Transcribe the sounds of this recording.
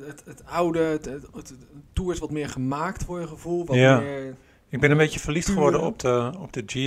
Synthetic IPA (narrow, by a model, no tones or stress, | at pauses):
ətətawdə | tuːəɹtʋɔtmɪːɹχəmaːktʋɔɹəχəvulˠʋɔjaɪ | ɪɡ̚bɪnənbejtəfəɹliftχəʋɔɹdəɔ̰p̚dəɔp̚dəd͡ʒi